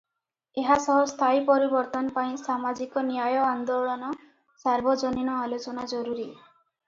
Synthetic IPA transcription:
eɦasɔɦɔst̪ʰaipɔɾibɔɾt̪ɔnɔpaĩsamad͡ʒikɔnijajɔand̪oɭɔnɔ | saɾbʱɔd͡ʒɔninɔalot͡ʃɔnad͡ʒɔɾuɾi

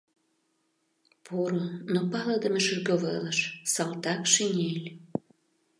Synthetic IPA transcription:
pʰoɾonopɑləd̪ə̆meʃərɣoβələʃsɑlt̪ɑkʃinʲelʲ

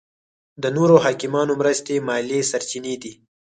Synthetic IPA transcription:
d̪ənoɾohɑkɪmɑnomɾəst̪emɑlesaɾt͡ʃined̪i

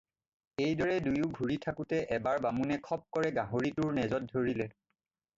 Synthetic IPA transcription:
ejdɔɹɛdujʊɡʱuɹitʰakutɛʔɛbaɹbamunɛkʰɔp̚kɔɹɛɡãɦoɹituɹnɛzɔt̚dʱoɹilɛ

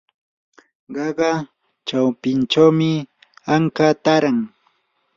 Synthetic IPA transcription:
ɢɑɢɑ | t͡ʃawpɪnt͡ʃawmɪ | aŋkat̪aɾaŋ

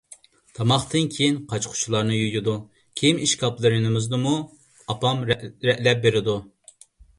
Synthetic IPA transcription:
t̪ʰɑmɑχt̪ʰɨnkʲʰejinqʰɑt͡ʃqʰʊ̥t͡ʃʰulˠɑɾnɨjyjʲɪd̪u | kʲʰejimiʃkʰɑplˠɨɾɨnɨmɨzd̪ɨmu | ɑpɑmɾɾɛʔlɛp̚beɾɪd̪u

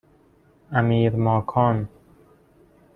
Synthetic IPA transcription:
æmiːɾmɔːkʰɔːn

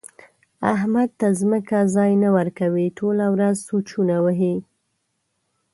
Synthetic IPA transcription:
a̰ɦmad̪̚t̪azməkazɑjnawəɾkawiʈʰolawɾazsut͡ʃunawəɦi

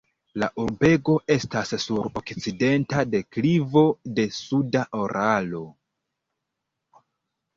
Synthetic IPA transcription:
la̰ʔuɾbe̞ɡo̞ʔe̞stasːuɾo̰kt͡side̞ntade̞klivo̞de̞sudaʔo̞ɾʔalo̞

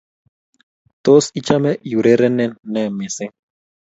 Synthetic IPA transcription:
t̪osit͡ʃamɛjuɾeɾɛnɛnɛmese

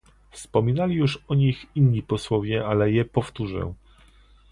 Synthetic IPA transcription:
fspɔmʲinalʲijuʂɔɲixinɲipɔswɔvʲjɛalɛjɛpɔft̪uʐɛ̰̃

